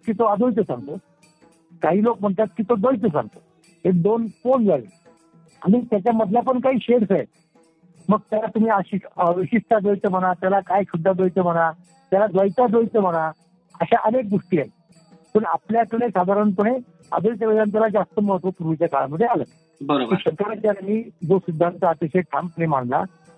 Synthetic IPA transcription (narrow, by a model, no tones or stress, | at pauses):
kiːt̪oad̪ʱojt̪əsã̰ŋɡt̪o | kaɦiːlok̚m̤əɳt̪at̪kiːt̪od̪əjt̪əsa̰ŋɡt̪o̥ | ɦed̪onfond͡zalḛ | a̰ɽ̃it̪jat͡ɕjaməd̪ʱljapəɳkaɦiːɕeɽsaet̪ | məɡ̚t̪jalat̪um̤iːaɕiʋiɕiʂʈ̪ʰad͡z̪ojt̪əm̤əɽ̃at̪jalakajɕud̪ʱːad̪ojt̪əm̤əɽ̃a | t̪jalad̪ʋəjt̪ad͡z̪ojt͡s̪əm̤əɽ̃a | əɕaʔənek̚ɡoʂʈiːaj | pəɳapljakəɽesad̪ʱaɾəɳpəɳe | ə̰d̪ʱoit̪əʋed̪ant̪jalad͡zast̪əməɦət̪ʋəpuɾʋit͡ɕakaɭaməd̪ʱealə̰ | bəɾobiːɕəkaɾat̪jalamiːd͡zosid̪ʱːant̪əat̪eɕeʈʰampənimaɳla̰